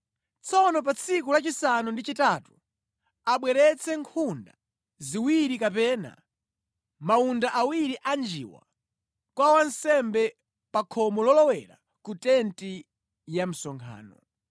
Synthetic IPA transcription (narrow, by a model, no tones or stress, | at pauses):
t͡sʰɔnɔpat͡sʰikulat͡ʃisanundit͡ʃitatu | aɓwɛɾɛt͡sʰɛŋkʰunda | ziwiɾikapɛːna̰ | maundaʔawiɾiʔand͡ʒḭːwa̰ | kwawansɛmbɛ | pakʰɔmɔlɔlɔwɛɾa̰ | kutɛnti | jam̩sɔŋkʰa̰ːnɔ̰